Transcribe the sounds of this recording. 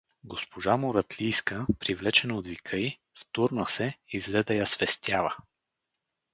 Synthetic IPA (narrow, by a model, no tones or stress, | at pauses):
ɡospoʒamoɾɐt̪lijskəpɾivlɛt͡ʃɛnod̪vikʰəj | ft̪uɾnəsɛivzɛd̪əjɐsvɛst̪ʰʲjavə